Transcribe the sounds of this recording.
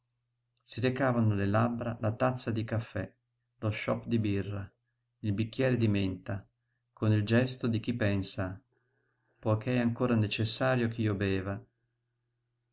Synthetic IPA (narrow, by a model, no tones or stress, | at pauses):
siɾekaːvanolelabɾalat̪at̪sːad̪ikafːɛ | loʃɔpːd̪ibirːa | ilbik̟ːjɛːɾed̪iment̪a | konild͡ʒɛst̪od̪ik̟ipːɛnsa | pɔjkeɛaŋkoːɾanet͡ʃesːaːɾjok̟iːobɛːva